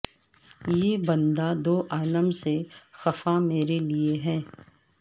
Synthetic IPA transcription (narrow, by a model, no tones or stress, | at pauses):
jeːbɐ̃nd̪ad̪oːʔaːləmsexɐfameːɾelieɦɛ̃ː